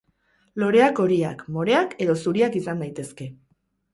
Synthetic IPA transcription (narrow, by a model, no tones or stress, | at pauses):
lo̞ɾe̞ako̞ɾia̰kmo̞ɾe̞ake̞ðo̞suɾiakisand̪ajt̪e̞ske̞